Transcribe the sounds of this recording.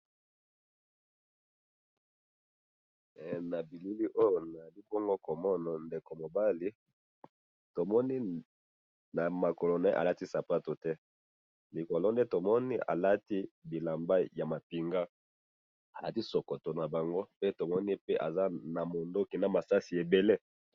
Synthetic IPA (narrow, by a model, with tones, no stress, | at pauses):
na˨bi˨lu˦li˦ʔo˦jo˨na˨li˦bɔ˦ŋɡo˦ko˨mɔ˦nɔ˨nde˨ko˨mo˨ba˦li˦ | to˨mɔ˦ni˦ | na˨ma˨ko˨lo˨nɛ˦ʔa̰˨la˦ti˦sa˨pa˦to˨tɛ˦ | li˨ko˨lɔ˦nde˦to˨mɔ˦nḭ˦ʔa̰˨la˦ti˦bi˨la˨mba˦ja˨ma˨pi˨ŋɡa˦ | a˨la˦ti˦so˨ko˨to˨na˨ba˨ŋɡo˦pe˦to˨mɔ˦ni˦pe˦ʔa˨za˦na˨mo˨ndo˦ki˨na˨ma˨sa˦si˨e˨be˨le˦